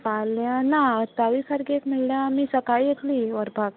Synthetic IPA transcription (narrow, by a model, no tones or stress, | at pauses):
palːjãnaət̪aʋisəɾɡeekmiɭljãmisəkajjet̪liːʋəɾbʱaɡ